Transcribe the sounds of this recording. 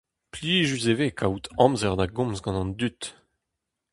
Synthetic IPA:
pliːʒyzevekʰawt̪ʰɑ̃mzɛʁd̪aɡɔ̃mzɡɑ̃nɑ̃nd̪yt̪

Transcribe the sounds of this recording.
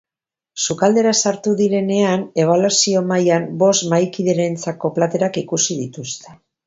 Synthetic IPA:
sukald̪e̞ɾasaɾt̪uðiɾe̞ne̞ane̞β̞alwasio̞majambo̞st̪majkiðeɾent͡sako̞plat̪e̞ɾakikusið̞it̪ust̪e

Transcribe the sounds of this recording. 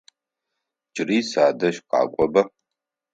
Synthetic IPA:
d͡ʒʼɪriːsaːdɐʃqɑ̰ːkʷʼɔbɐ

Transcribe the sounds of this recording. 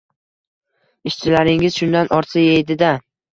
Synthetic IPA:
ɪʃt͡ʃʰɪlaɾɪŋɪzʃʊnd̪anɒɾsʰajejd̪ɪd̪a

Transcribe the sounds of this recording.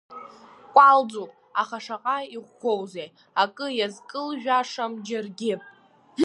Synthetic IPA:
kʷʼald͡zopʼ | aχaʂaqʼaiʁʷːowzej | akʼɨjazkʼɨlʒᶣaʂamd͡ʒarɡʲɪ

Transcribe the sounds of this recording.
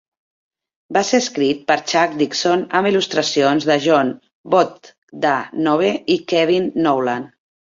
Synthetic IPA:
baseəskɾit̪̚pəɾt͡ʃak̚d̪iksonəmilust̪ɾəsionzðəʒɔn | bɔt̪ | d̪anɔβ̞eikɛβinːowlan

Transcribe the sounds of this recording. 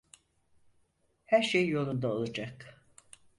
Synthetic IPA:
hæɾʃejjo̞lˠund̪aolˠad͡ʒak

